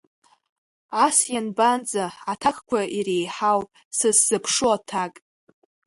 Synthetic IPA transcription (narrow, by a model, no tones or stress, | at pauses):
asjanband͡zaatʰakʰʼkʷaʔirejħawʼ | sɨsz̥ɨpʰʂuatʰakʼ